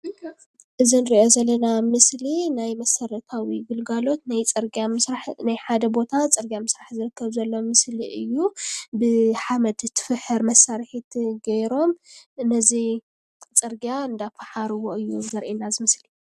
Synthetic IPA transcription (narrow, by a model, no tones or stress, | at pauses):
ʔɨzinɨɾiʔo̞zɐlːɐnamɨslinajmɐsɐɾɐt̪ʰawiɡɨlɡalo̞t̪najt͡sʼɨɾɡamɨsɾaħnajħad̪ɐbo̞t̪ʰat͡sʼɨɾɡjamɨsɾaħzɨɾɨkʰːɐβzɐlːo̞mɨsliʔɨjːubɨħamɐd̪t̪ʰɨ̥fɨħɨɾmɐsːaɾħit̪ʰɡɐjɾo̞mnɐzi | t͡sʼɨɾɡjaɨnd̪afaħaɾɨwoɨjːuzɐɾʔenazɨmɨsli̥